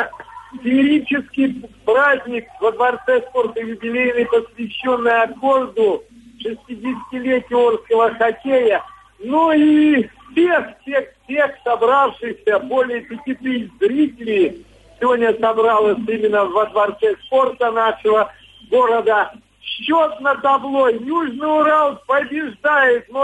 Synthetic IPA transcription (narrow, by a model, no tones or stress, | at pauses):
tʲɪɾʲit͡ɕɪskʲɪjpɾazʲnʲɪkvəd̪vɐrt̪sɛspo̞rt̪əjʊbʲɪlʲejɪmʲɪpəsvʲɪɕːo̞nːəjɐkord̪ʊ | ʂɨsʲtʲidʲɪsʲɪ̥tʲɪlʲetʲɪorskəvəxɐkʲejə | nuifsʲexfsʲexfsʲe̞xsɐbɾafʂɨsʲəbo̞lʲɪjəpʲɪtʲit̪ɨzɾʲitʲɪlʲɪj | sʲɪvodʲnʲəsɐbɾalˠəsʲimʲɪnːəvəd̪vɐrt̪sɛspo̞rt̪ənaʂɨvə | ɡo̞ɾəd̪ə | ɕːot̪nət̪ɐblˠo̞juʐnɨjʊɾalˠpəbʲɪʐd̪ajɪt̪̚no